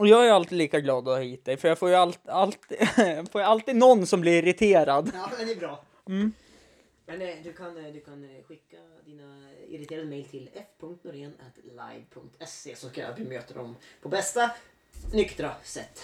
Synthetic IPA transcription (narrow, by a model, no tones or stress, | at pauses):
ɔjɑːɡæɾalt̪iːliːkaɡlɑːd̪ɔhiːt̪̚d̪ɛjfœɾjɑɡfoːɾjaltalt̪ːfoːɾjalt̪iːd̪nɔnːsɔmblɪɾɪɾɪt̪ʰeːɾad̪ɑːd̪ɛnɛbɾɑː | m̩ː | mɛnd̪ɵkʰand̪ɵkʰanɧɪkːa | d̪iːnaɪ̰ɾɪt̪ʰeːɾad̪əmɛjlt̪ʰɪlɛfpʰɵŋkt̪nɔɾeːnɛt̪la̰jvpʰɵŋk̚t̪ʰɛsḛːsɔskaɑ̰t̪vɪmøːt̪əd̪ɔmpʰɔbɛst̪a | nʏkt̪ɾasɛt̪ː